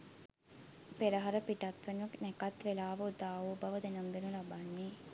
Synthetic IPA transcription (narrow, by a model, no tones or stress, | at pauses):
peɾəɦaɾəpiʈat̪ʋenunɛkat̪ʋelaːʋəut̪aːuːbaʋəd̪enəmbenulabanːe